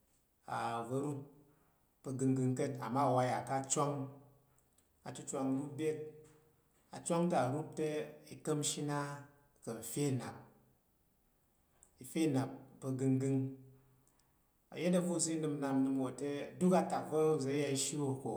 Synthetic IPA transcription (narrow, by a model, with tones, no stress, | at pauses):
a̰˨vɐ˦ɾu˦ | pɐ˧ɡɨ˧ŋɡɨ˧ŋkɐ˦ta̰˨mːa˦˨wa˧ja˨ka˦t͡ʃʷo˦ŋ | a˨tu˦t͡ʃʷa˧ŋ˦ɾu˦bʲe˦t̚ | a̰˨t͡ʃʷo˦ŋta˨ɾu˦p̚te˦i˨kɐ˦mʃi˦na˦ | kɐ˨fʲe˦˨na˨p̚ | i˨fʲe˦˨na˨pːɐ˧ɡɨ˧ŋɡɨ˦˧ŋ | ɐ̰˨je˦t̬ɐ˦vo˦˨zi˦nɨ˧mna˧mnɨ˧mwo˨te˦˨du˦ka˧ta˨kvɐ˦ɾu˦˨ze˨˦ja˧i˧˦ʃi˦wo˨ko˨